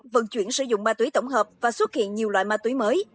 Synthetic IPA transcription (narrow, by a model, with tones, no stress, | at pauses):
və̰˧˨nt͡ɕwi˧˩ənsɨ̰˧˩zʊ̰˧˨ŋ͡mɓaː˧t̪wjt̪ə˧˩wŋ͡mɦəː˨˩p̚vaː˨˩swə˦˥t̚hḭ˧˨ənɲi˨˩əwlwa̰ː˧˨jmaː˧t̪wi˨˦jməː˨˦j